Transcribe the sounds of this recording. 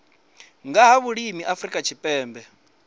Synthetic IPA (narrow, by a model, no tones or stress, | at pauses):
ŋɡaɦaβuɺimiʔafɾikʼat͡ʃʰipʼɛːmbɛ